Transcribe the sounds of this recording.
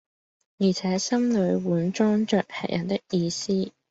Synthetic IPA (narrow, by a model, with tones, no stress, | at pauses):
jiː˨˩t͡sʰɛː˨˥sɐ˥mlɵ˨˧ɥwuː˨˥nt͡ʃɔː˥ŋt͡ʃœː˨k̚hɛ̰˨˩k̚jʔɐ̰˨˩nt̪ɪ˥k̚jiː˧siː˥